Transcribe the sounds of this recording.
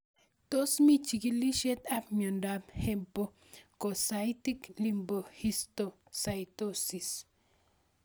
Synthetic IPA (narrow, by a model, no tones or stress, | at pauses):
t̪osmit͡ʃiɡiliʃet̪apmondaphempo | kosajt̪iklimbohist̪o | sajt̪osis